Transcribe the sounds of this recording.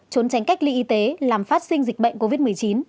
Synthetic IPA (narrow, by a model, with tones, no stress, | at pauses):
t͡ɕo˨˦nt͡ɕa˨˦jŋ̟ka˦˥jk̚lḭ˧ʔi˧t̪e˨˦laː˨˩mfaː˦˥t̚sï˧ŋzï̟˨˩ɓə̰˧˨jŋ̟ko˧vi˦˥t̚mɨ˨˩əjt͡ɕi˨˦n